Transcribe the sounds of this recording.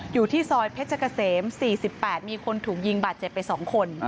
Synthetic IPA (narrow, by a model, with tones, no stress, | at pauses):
juː˨˩t̪ʰiː˥˩sɔː˧jpʰe˦˥t̪̚t͡ɕa˧˩ka˧seː˩˦msiː˨˩si˨˩pːɛː˨˩t̪̚miː˧kʰo˧nt̪ʰuː˨˩k̚ji˧ŋbaː˨˩t̪̚t͡ɕe˨˩p̪̚ːa˧jsɔː˩˦ŋkʰo˧n